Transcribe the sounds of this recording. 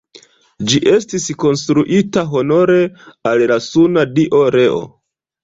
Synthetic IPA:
d͡ʒiʔe̞stisko̞nstɾuʔitaɦo̞no̞ɾe̞allasunadiʔoɾe̞o̰

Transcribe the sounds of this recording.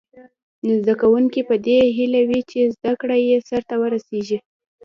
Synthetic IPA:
nzd̪akawuŋkipəd̪eɦilawit͡ʃezd̪akɽajesaɾt̪awəɾaseʒi

